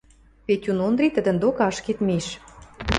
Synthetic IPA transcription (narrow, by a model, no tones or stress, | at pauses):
petʲunond̪ɾit̪ə̆d̪ə̆nd̪okɑʃket̪meʃ